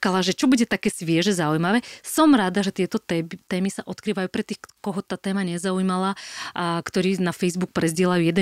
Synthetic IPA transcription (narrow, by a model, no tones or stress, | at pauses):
kalaʒɛt͡ʃɔbuɟɛt̪akɛːsʋɪɛʒɛzaujmaʋɛːsɔmɾad̪aʒɛt̪ɪɛt̪ɔt̪ɛːmisaʔɔt̪kɾiːʋajuːpɾɛt̪iːxkɔɦɔt̪aːt̪ɛːmaɲɛzaujimalaːkt̪ɔɾiːnafɛjzbuk̚pɾɛzɟɪɛlajuːjɛd̪ɛ